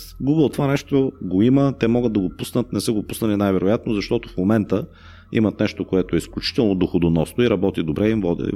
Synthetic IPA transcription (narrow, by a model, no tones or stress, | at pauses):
ɡuɡəlˠt̪ovanɛʃt̪oɡoimət̪ɛmɔɡəd̪̚d̪ɐɡopusnət̪nɛsəɡopusnəlinajvɛɾojat̪nozɐʃt̪ɔt̪ofmomɛnt̪ə | ḭmət̪nɛʃt̪okoɛt̪oɛisklʲut͡ʃi̥t̪ɛlˠnod̪oxod̪onɔsnoiɾɐbɔt̪id̪obɾʔɛimvɔd̪ḭ